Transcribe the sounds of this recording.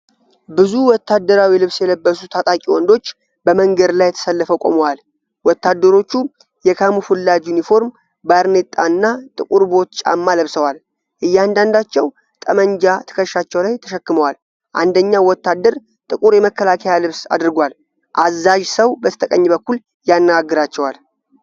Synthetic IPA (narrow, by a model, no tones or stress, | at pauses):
bɨzuwɔt̪ʰːad̪ːəɾawilɨβsjɛləbːəsut̪ʰat̪ʼakʼiwɔnd̪o̞t͡ʃː | bəməŋɡəd̪lajːɛt̪ʰə̥səlːəfəkʼo̰məwal | wɔt̪ːad̪ːəɾo̞t͡ʃːu | jɛkʰamufulːad͡ʒjunifo̞ɾm | baɾnet̪ʼːanːat̪ʼɨkʼuɾbo̞t̪t͡ʃʼa̰mːaləβsəwal | ʔɨjːand̪and̪at͡ʃːɛw | t̪ʼəməɲd͡ʒat̪ʰə̥kʰəʃːat͡ʃːɛwlajt̪ʰəʃəkːɨməwal | ʔa̰nd̪əɲːawɔt̪ːad̪ːəɾ | t̪ʼɨkʼuɾjɛməkːəlakʰəjalɨβsa̰d̪ɾɨɡʷal | ʔazːaʒsəwbət̪ʰə̥t̪ʰəkʼəɲːbəkːul | janːəɡaɡːɨɾat͡ʃːɛwal